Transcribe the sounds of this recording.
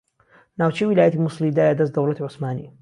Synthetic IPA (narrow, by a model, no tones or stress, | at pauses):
naːwt͡ʃɛjwilaːjɐt̪imusˤlid̪aːjad̪ɐs̬t̪d̪ɐwlɐt̪iʕʊsmaːnḭ